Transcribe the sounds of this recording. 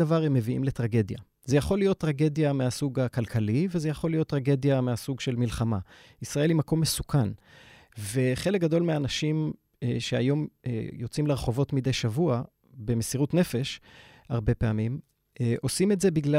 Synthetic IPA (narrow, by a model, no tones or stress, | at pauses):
avaʁemːe̞viʔḭmle̞t̪ʁaɡe̞d̪ja̰ | ze̞jaχo̞lijo̞t̪ːʁaɡe̞d̪jameasuɡakalkʰalivezejaχo̞lijo̞t̪ːʁaɡe̞d̪jameasuɡʃe̞lmilχama | isʁae̞limako̞mːe̞sukʰan | ve̞χe̞lek̚ɡad̪o̞lmeanaʃim | ʃeajo̞m̰jo̞t͡simleʁeχo̞vo̞tmid̪e̞jʃavua | be̞mesiʁutne̞fe̞ʃ | haʁbe̞peamim | ʔo̞sime̞tze̞biɡla